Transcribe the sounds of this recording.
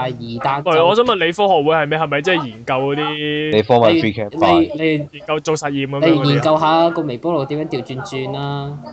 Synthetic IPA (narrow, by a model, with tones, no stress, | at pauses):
jiː˨˩t̪aː˧mɐ˨˩˨ɔː˨˧s̬œː˨˥mɐ˨nle˨˧jfɔː˥hɔː˨k̚wuː˨˥jhɐ˨jmɛ˨˥jhɐ˨jmɐ˨jt͡sɛː˥˨˩jiː˨˩nkɐ˧wkɔ˨˧t̪iː˥e˨˧fɔː˥ma˨˩ɹiː˥kʰɛ˥le˧˨˧ne˨˧jjiː˨˩nkɐ˧wt͡so˨wsɐ˨t̚jiː˨˧mkɐ˥me˨˧jjiː˨˩nkɐ˧wɦaː˨˥kɔː˧me˨˩pɔː˥lo˨˩t̪i˨˥mjœː˨˧˥ŋt̪i˨˩wt͡ʃyː˧nt͡ʃyː˧nlaː˥